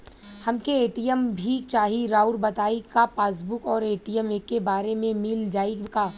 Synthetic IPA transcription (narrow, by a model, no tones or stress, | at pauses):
hɐmkeeːʈijəmbʱit͡ʃaːɦiɾaːʊɾbɐt̪aːikapaːsbʊkɔːɾeːʈijəmeːkːebaːɾemẽmɪld͡ʒaːiɡaː